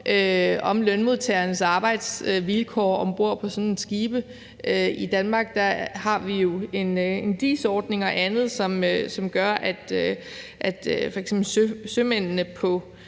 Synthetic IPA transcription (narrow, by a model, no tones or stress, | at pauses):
ʔøɒ̽mlønmo̝ðˠt͡sʰɛɐnəsɑ̈ːb̥ɑ̈ɪd̥sʋilkʰɒ̰ːɒ̽mb̥o̝ɐ̰pʰɒ̽sɔ̽ne̝nsɡ̥iːb̥ə | øid̥ænmɑ̈ːɡ̥d̥ɑhɑ̈ʋijo̝e̝ne̝nd̥ḭːsɒːd̥ne̝ŋɒ̽ʔænð̞̩ˠsɒ̽møsɒ̽mɡ̥ɶɐʔæd̥ | ʔæd̥fɒ̽eɡ̥semb̥l̩søsømen̰nəpʰɒ̽